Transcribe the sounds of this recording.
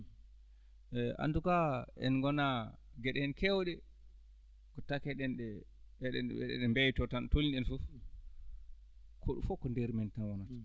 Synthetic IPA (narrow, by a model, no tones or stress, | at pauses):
ɛa̰ndukaɛ̰nɡɔna | ɡɛɗɛɛnkɛwɗɛ | kɔtakɛɗɛnɗɛ | ɛɗɛ̰ɛ̰ɗɛ̰ɗɛmbɛjtɔtantolinɛnfuf | kʰɔɗufɔkːɔndɛɾmɛntanwɔnata